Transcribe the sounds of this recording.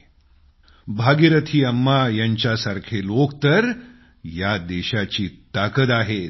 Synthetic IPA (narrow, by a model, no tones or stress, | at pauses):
bʱaɡiɾət̪ʰiːəmːajaɲt͡ɕjasaɾkʰelokt̪əɾ | jad̪eɕat͡ɕiːt̪akət̪aɦe